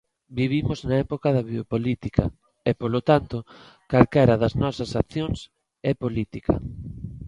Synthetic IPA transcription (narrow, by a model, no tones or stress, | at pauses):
biβimoznɐɛpokaðɐβiopolit̪ikɐ̰ | ɛpolot̪ant̪o | kalkɛɾɐðɐznɔsɐsakθjoŋs | ɛpolit̪ikʰɐ̰